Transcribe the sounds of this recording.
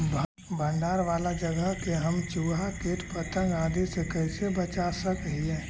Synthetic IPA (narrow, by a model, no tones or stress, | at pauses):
bʱ | bʱə̃ɳɖaːɾʋaːlad͡ʒəɡəɦkeɦɐmt͡ʃuːɦakeːʈpət̪ə̃ŋɡaːd̪esekɛɪsebət͡ʃaːsəkəɦiɦɛː